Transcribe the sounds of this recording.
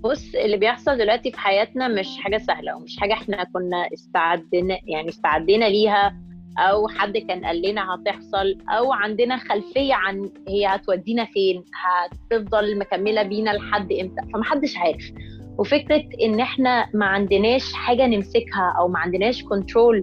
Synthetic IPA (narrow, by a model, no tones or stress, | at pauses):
bosːʔelːibejeħsˤɑld̪elwæʔt̪ifi̥ħajæːt̪næmeʃħaːɡæsæhlæ̰wemeʃħaːɡæʔeħnækonːæʔest̪aʕad̪ːenæjaʕniest̪aʕad̪ːenæliːɦæʔæwħad̪ːkæːnʔæ̰lːenæhæt̪eħsˤɑlʔæwʕand̪enæxælfejːæʕanhejːæhæt̪wæd̪ːiːnæfeːnhæt̪efd̪ˤɑlmækæmːelæbiːnælħad̪ːʔemt̪æʔfæmæħad̪ːeʃʕaːɾefwefekɾet̪ʔenːʔeħnæmæʕand̪enæːʃħaːɡænemsekhæʔæwmæʕand̪enæːʃkont̪ɾoːl